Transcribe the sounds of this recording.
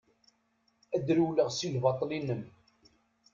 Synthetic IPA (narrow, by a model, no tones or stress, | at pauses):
æd̪ɾuləʁsilvɑt̪ˤlinəm